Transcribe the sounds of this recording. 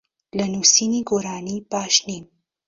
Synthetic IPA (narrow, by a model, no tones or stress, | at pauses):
lɐnusiniɡoɾɑːnipaːʃnim